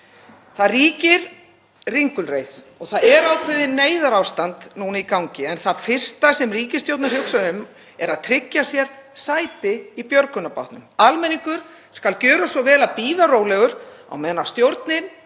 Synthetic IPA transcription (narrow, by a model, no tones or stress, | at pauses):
θaðriːcɪɾ | riŋkʏlrejð | ɔɣθaðɛɾawkʰvɛðɪnːeːjðaɾawst̪ant̪nuːnaikawɲcɪɛnθaðfɪr̥st̪asɛmriːcɪst̪jowt̪naɾ̥hjowksaʏm | ɛɾaðt̪ʰɾɪcːḁsjɛɾ̥saːjt̪ɪipjœɾkʏnapa̰wht̪nʏmalmɛnːiŋkʏɾ̥ | skalcœːɾʏsvɔvɛːlapiːðaɾoːwlɛɣʏɾa̰wmɛðnast̪jowɾt̪nɪn